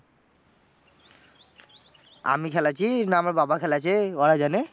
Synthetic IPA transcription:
a̰mikʰɛlat͡ɕʰinamababakʰɛlat͡ɕʰeɔɾad͡ʑane

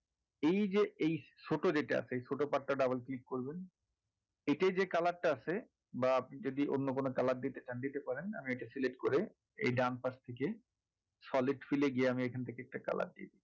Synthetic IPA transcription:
ejd͡ʑeejʃoʈod͡ʑeʈa̰a̰t͡ɕʰeejʃʰoʈopaʈːaɖabalklikːoɾben | eʈed͡ʑekalaʈʈaasʰe | baapnid͡ʑod̪iʔonːokonokalaɾ̚d̪it̪et͡ɕand̪it̪epaɾena̰mieʈasileʈkoɾe | ḛjɖanpast̪ʰeke | sɔliɖfileɡieamiekʰant̪ʰekeɛk̚ʈaka̰la̰ɾ̚d̪ḭed̪i

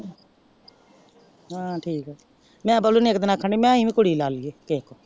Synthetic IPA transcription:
ɦãːʈʰiːkɛː | mɛ̃ːpəluːnĩːekd̪ɪnaːkʰːəɳiːmɛ̃ːĩːĩːkʊɽiːlaːliɡeːkekoː

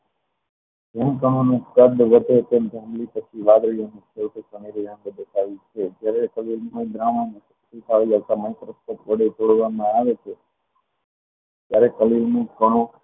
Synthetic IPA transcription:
d͡ʒɛmkəɽ̃õnũkəd̪ʋəd̪ʱet̪emb̪ʱəɦmlipət͡ʃʰiʋad̪ɾijonĩkʰewt̪əkəniɾijãɳb̪əd̪əsaʋit͡ʃʰed͡ʒjaɾekəlilməjd̪ɾamãnis | sisʰaʋiaʋt̪aməjt̪əɾəspək̪ʋəɽet͡ʃoɽʋamãaʋet͡ʃʰe | t̪jaɾekəlilnũkəɽ̃õ

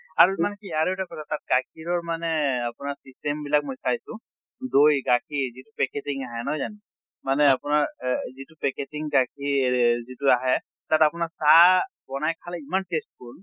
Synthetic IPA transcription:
aɹuimanɛkiaɹoɛtakɔtʰatat̚ɡakʰiɹɔɹmanɛapʊnaɹsistembilak̚mojkʰajsʊ̃ | dojɡakʰizitupɛketiŋaɦɛnɔjzani | manɛapʊnaɹzitupɛketiŋɡakʰizituaɦɛ | tatapʊnaɹsa | bɔnajkʰalɛimantest̚kʰul

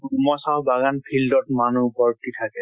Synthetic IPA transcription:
umɔsabaɡanpʰildɔtmanubɔɹtitʰakɛ

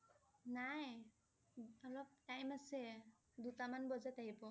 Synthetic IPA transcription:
naj | ɔlɔp̚ajmasɛ | d̪ut̪amanbɔzat̪aɦibɔ

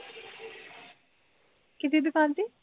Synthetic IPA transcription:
kɪt̪ʰid̪ʊkaːnt̪iː

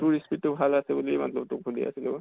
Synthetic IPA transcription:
tuɹispitːubʱalasɛbulima̰tlɔb̚tuɡʰʱulia̰silo

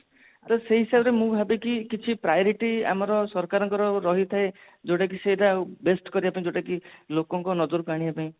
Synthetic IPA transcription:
t̪ɔseɦisabɔɾemũbʱabekikit͡ʃʰipɾajɔɾiʈia̰mɔɾɔsɔɾkaɾɔŋkɔɾɔɾɔɦit̪ʰae | d͡ʒoʈak̬isejɾabesʈkɔɾiapãĩd͡ʒoʈakilokɔŋkɔnɔd͡ʒɔɾukaɽ̃iapaĩ

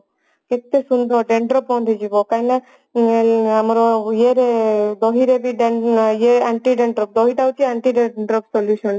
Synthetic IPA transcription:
kek̚t̪esund̪ɔɖeɳɖɾɔpːɔnd̪ʱed͡ʒibɔkajna | amɔɾɔjeɾed̪ɔɦiɾebiɖejeaɳʈiɖeɳɖɾɔp̚d̪ɔɦiʈaut͡ʃʰiaɳʈiɖeɖɾɔpsɔljusɔn

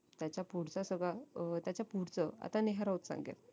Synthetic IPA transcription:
t̪jat͡ɕjapuɽt͡sasəɡɭat̪jat͡ɕjapuɽt͡səa̰t̪aneɦaɾaut̪sã̰ŋɡḛt̪

